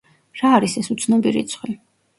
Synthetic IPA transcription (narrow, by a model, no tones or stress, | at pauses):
ɾaːɾisɛsut̪sʰnɔbiɾḭt̪sʰχwi